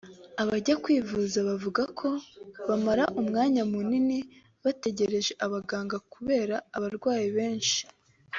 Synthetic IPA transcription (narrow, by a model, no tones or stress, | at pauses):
aβaɟakwiːvuzaβavuɡakʰo̞βamaɾaʔumŋaːɲamunini | βate̞ɟe̞ɾe̞ʒe̞ʔaβaɡaːŋɡakuβe̞ːɾaːβaɾɡwaːjiβe̞ːnʃi̥